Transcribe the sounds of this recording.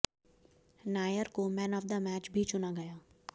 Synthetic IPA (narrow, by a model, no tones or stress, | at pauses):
naːjəɾkomɛ̃ːnɔːfd̪əmɛːt͡ʃbʱit͡ʃʊnaɡɐjaː